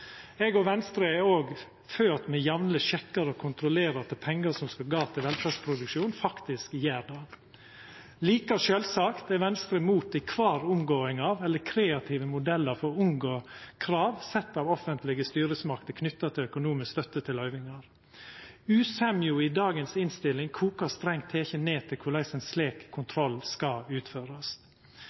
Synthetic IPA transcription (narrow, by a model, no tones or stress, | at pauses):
ɛɡɔʋɛnst̪ɾəɛoːɡ | føːt̪mɛjɑʋnləʃɛkːɑɾəɔkʰʊnt̪ɾʊleːɾɑɾt̪ʰɪpʰɛŋːəɾsɔmskɑɡɑːt̪ʰɪlʋɛlfæ̥ːspʰɾʊd̪ʉkʃuːnfɑkt̪ɪskjæːɾɖ̪ɑ | liːkɑʃøːlsɑkt̪ɛʋɛnst̪ɾəmuːt̪ɪkʰʋɑːɾʊmɡoːɪŋɑːʋɛlːəkʰɾeːɑt̪ʰiːʋəmʊd̪ɛlːəɾfɔɾʊŋɡokʰɾɑːʋsɛt̪ːɑʋɔfənt̪ʰlɪɡəst̪yːɾəsmɑkt̪əkʰnʏt̪ːɑt̪ʰɪlœkʊnuːmɪskst̪œt̪ːət̪ʰɪlœʏʋɪŋɑɾ | ʉːsɛmjuɪd̪ɑːɡənsɪnst̪ɪlːɪŋkʰuːkɑst̪ɾɛŋt̪ʰeːçəneːt̪ʰɪlkʰʊɭæɪsənsleːkʰːʊnt̪ʰɾɔlːskɑʉːt̪føːɾɑs